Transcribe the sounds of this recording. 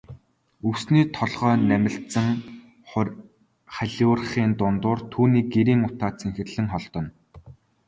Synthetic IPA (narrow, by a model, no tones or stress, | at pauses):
ɵwsniːt̪ʰɔɮʁ̥œːnæmʲɪ̆ɬt̪sə̆ŋ | χæɮʲʊrχiːnt̪ʊnt̪ʊːrt̪ʰuːniːɡ̚eɾiːŋʊt̪aːt͡sʰeŋxɘ̆rɮɘ̆ŋχɔɮt̪ɞ̆n